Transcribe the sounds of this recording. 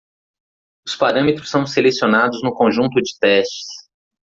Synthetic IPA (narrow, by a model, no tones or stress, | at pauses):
ʊspaɾɐ̃met̪ɾʊsːɐ̃w̃selesionad̪ʊznʊkõʒũnt̪ʊd͡ʒɪ̥t̪ɛst͡ʃɪ̥s